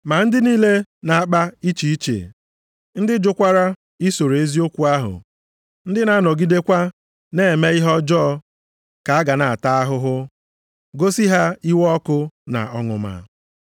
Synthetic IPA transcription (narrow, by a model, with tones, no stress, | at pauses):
ma˨n̩˦dɪ˦niː˦le˦na˨a˦˨k͡pa˦i˦t͡ʃi˨i˦t͡ʃḛ˨ | n̩˦dɪ˦d͡ʒʊ˦kʷa˦ɾa˦ | i˦so˨ɾe˨e˦zi˦o˦kʷu˦a˦ɦʊ̰˨ | n̩˦dɪ˦na˦nɔ˨ɡi˦de˦kʷa˦ | ne˦˨e˨me˦ɪ˦ɦɔ˦d͡ʒɔː˦ | ka˨a˦ɡa˨na˨a˨ta˦a˦ɦʊ˦ɦʊ˦ | ɡo˦si˦ɦa˦i˦wɔ˦kʊ˦na̰˨ɔ˦ŋʊ̰˨ma̰˨